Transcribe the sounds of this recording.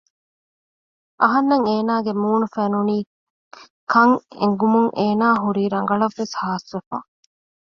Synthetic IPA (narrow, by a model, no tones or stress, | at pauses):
ʔɐɦɐnːɐŋeːnaːɡemuːnufenuniː | kʰɐŋḛŋɡumuŋʔeːnaːɦuɾiːɾɐŋ̆ɡɐɭɐʋːeshaːsʋefa̰